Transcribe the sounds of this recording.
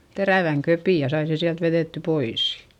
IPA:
teræˑʋæŋ køpiˑ jɑ sɑi se siælt ʋereˑtːy pois

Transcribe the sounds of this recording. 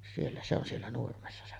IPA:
sielːæ se on sielːæ nurmesːɑ se

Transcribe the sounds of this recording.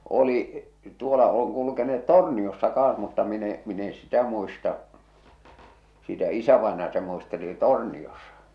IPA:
oli tuolɑ oŋ kulukeneet torniosːɑ kɑːɑ̃s mutːɑ min e min e sitæ muistɑʔ sitæ isæʋɑˑenɑjɑ se muisteli toˑrniosɑ̥

